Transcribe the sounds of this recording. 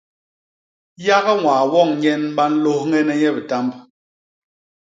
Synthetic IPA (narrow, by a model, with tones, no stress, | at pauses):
ja˦ɣɛ˦ŋwaː˨wɔ˦˨ŋɲɛ˦nm̩˦ɓa˦n̩˦lo˦hŋɛ˦nɛ˦ɲɛ˦bɛ˨ta˦mb